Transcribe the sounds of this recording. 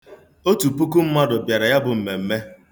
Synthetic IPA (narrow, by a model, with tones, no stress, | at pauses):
o˦tu˨pu˦ku˦m̩˦ma˦dʊ˨bja˨ɾa˨ja˦bʊ˨m̩˨me˨m̩˦me˦